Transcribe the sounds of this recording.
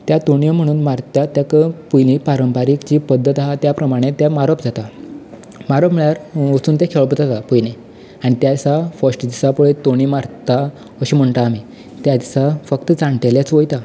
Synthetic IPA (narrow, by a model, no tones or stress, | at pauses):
t̪jat̪oɽijəm̤əɽ̃uːnmaɾt̪jat̪ːjakəpujnipaɾəmpaɾikt͡ɕiːpəd̪ʱːət̪aɦat̪japɾəmaɽ̃et̪jamaɾəpd͡zat̪a | maɾəpmiɭjaɾʋət͡suːnt̪jakʰeʋɭpət̪at̪apujne | aɽ̃it̪jasafəʂʈd͡ʑ̪isapuɭet̪oɽ̃imaɾt̪a | əɕim̤əɳt̪aːmi | t̪jasafək̚t̪əd͡zãɳʈeljat͡sʋojt̪a